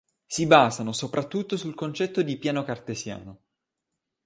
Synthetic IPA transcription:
sibaːzanosopɾat̪ːut̪ːosulkont͡ʃɛt̪ːod̪ipjaːnokart̪ezja̰ːno

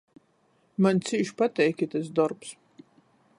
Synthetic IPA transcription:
manʲt̪siʃpat̪ɛjkʲɛt̪ɛs̬d̪ɔɾps

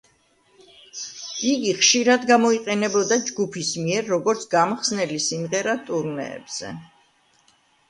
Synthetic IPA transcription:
iɡiχʃiɾad̪ɡamɔiqʼɛnɛbɔd̪ad͡ʒɡupʰismiɛɾːɔɡɔɾt̪sʰɡamχsnɛlisimʁɛɾat̪ʼuɾnɛ̰ːb̥z̥ɛ̰

